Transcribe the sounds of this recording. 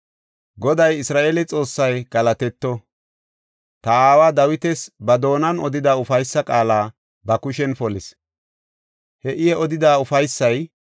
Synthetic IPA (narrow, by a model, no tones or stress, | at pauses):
ɡɔd̪ɐjɪsɾaːʔelɪt͡sʼo̞ːsːɐjɡɐlɐt̪ɛt̪ːɔ | t̪ɐaːwaːd̪ɐwɪt̪ɛsbɐd̪o̞ːnɐnɔd̪ɪd̪aːʊfɐjsːɐkʼaːlaː | bɐkʊʃɛnfɔlɪs | hɛʔɪjɛɔd̪ɪd̪aːʊfɐjsːɐj